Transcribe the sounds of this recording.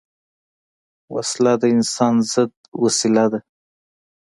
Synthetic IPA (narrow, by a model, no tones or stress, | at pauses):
wa̰slad̪əɪnsɑnzəd̪ | wasɪlad̪a